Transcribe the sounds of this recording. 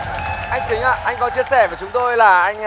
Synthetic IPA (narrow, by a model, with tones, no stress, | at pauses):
ʔa˧jŋ̟t͡ɕï˨˦ŋ̟ʔa̰ː˧˨ʔa˧jŋ̟kɔ˨˦t͡ɕi˧əsɛ˧˩vəː˧˩t͡ɕʊ˨˦ŋ͡mt̪o˧jlaː˨˩ʔa˧jŋ̟